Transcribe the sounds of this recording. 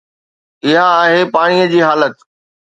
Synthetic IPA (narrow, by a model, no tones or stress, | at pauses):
ɪɦaːɦepaːɽ̃ijəd͡ʑiːɦaːlət̪